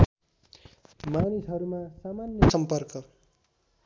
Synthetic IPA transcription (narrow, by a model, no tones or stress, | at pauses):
manisɦʌɾumasamanjʌsʌmpʌrkʌ